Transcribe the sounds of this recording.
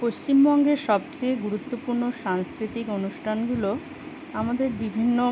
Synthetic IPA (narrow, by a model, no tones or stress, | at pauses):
post͡ɕimbɔŋɡeɾʃɔbt͡ɕejɡuɾut̪ːopuɾnoʃaŋskɾit̪ikonuʃʈʰanɡulo | amad̪eɾbibʱinːo